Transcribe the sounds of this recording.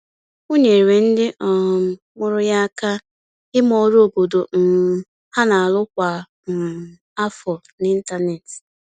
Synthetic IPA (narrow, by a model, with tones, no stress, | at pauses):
o˦ɲe˨ɾɾe˨n̩˦dɪ˦ʔɔ˨m̩˨mʊ˦ɾʊ˦ja˦ka˦ | ɪ˦mɔ˦ɾo˨bo˨do˨m̩˨ | ha˦na˨a˨lʊ˦kʷa˨ | m̩˨ | a˦fɔ˨ | nɪ˦n̩˦ta˦ne˨tɪ̥˨